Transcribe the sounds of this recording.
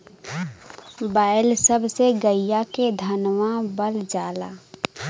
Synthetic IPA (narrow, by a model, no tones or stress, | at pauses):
baːɪlsəbseɡəijaked̪ʱənmãbəld͡ʒaːla̰ː